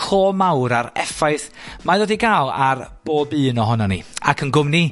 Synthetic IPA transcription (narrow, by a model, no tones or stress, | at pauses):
kʰoːmawɾaɾɛfaɨθ | maðoːdiɡaːlˠa̰rb̥oːbɨːnɔɦɔnanḭakʰənɡʊmni